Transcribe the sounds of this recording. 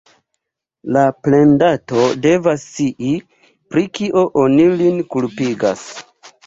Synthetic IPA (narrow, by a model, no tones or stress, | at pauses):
laple̞ndato̞de̞vasːiʔi | pɾikiʔo̞ʔonilinkulpiɡa̰s